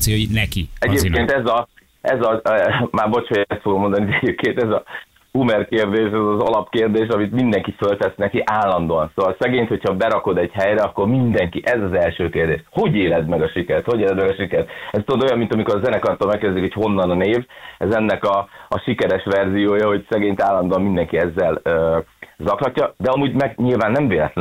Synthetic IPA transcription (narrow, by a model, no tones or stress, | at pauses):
sonɛkiɛɟeːpkeːnt̪ɛzɒ | ɛzɒmaːrbo̞t͡ʃojɛst̪foɡomo̞nd̪ɒniɛɟeːp̚kʰeːnt̪ɛzɒ | umɛrkeːrd̪eːʃɛzɒzɒ̰lɒpkeːrd̪eːʃ̬ɒmit̪mind̪ɛŋkifølt̪ɛsnɛkiʔaːlːɒnd̪oɒnsoːʋɒlsɛɡeːɲt̪ho̞cʰhɒbɛɾɒko̞d̪ɛɟhɛjɾɛɒkːo̞rmind̪ɛŋkiʔɛzɒzɛlʃøːkeːrd̪ḛːʃho̞ɟeːlɛd̪mɛɡɒʃikɛɾɛt̪hoɟeːlɛd̪mɛɡɒʃikɛɾt̪ɛzt̪od̪oojɒmːint̪ɒmiko̞ɾzɛnɛkɒrt̪olmɛkːɛrd̪zɛziko̥cho̞nːɒnɒneːvɛzɛnːɛkɒːʃikɛɾɛʃʋɛrzijoːjɒho̞ɟsɛɡeːɲt̪aːlːɒnd̪oɒmind̪ɛŋkiɛzːɛløːzɒklɒcːɒd̪ɛɒmuːɟmɛɡɲilvaːnːɛɱveːlɛt̪lɛ